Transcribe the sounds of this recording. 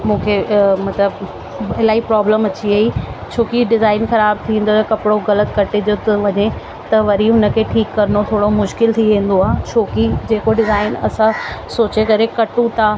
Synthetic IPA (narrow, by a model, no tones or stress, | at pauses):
mũːkʰemɐt̪ləb | ɪlaːipɾɔːbləmɐt͡ɕiɐit͡ɕʰoːkiɖɪzaːɪnxɐɾaːb̚t̪ʰĩẽn̆d̪ot̪ɐkɐpɪɽoɣɐlət̪kɐʈed͡ʑot̪ʋɐɲe | t̪ɐʋɐɾiɦʊnə̆kʰeːʈʰiːkːɐɾənot̪ʰoːɽomʊʃkɪlt̪ʰiʋẽːn̆d̪oaːɦt͡ɕʰoːkid͡ʑeːkoɖɪzaːɪnɐ̰sãsoːt͡ɕekɐɾekɐʈũt̪ʰaː